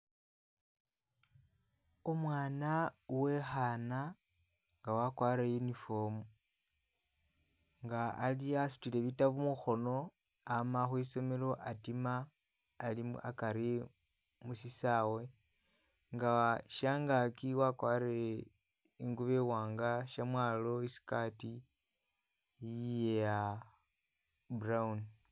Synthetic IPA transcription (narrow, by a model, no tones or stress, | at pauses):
omwaːnawe̞xana | ŋɡawakwaːɾejunifo̞mu | ŋɡa̰ːliasu̥tile̞βitaβumuxo̞no̞ | amaxwiso̞melo̞ʔatimaː | lia̰kaɾi | musisawe̞ | ŋɡaʃaːŋɡakiwakwaɾee | iŋɡuβewaːŋɡaʃamwalo̞isi̥kati | jijeja | braun